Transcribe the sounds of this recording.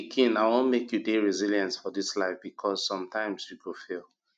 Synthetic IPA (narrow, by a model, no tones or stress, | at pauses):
kʰĩnaɪwõnmekjudeɹiziljãnsfɔðislaɪfbikʰɔzsɔ̃mtãɪ̃mzjuɡofilˠ